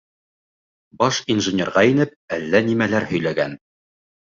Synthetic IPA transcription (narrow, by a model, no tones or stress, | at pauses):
bɑʃinʒɘ̆nʲerʁɑinɘp̚ælːænimælæɾhɵ̆jlæɡæn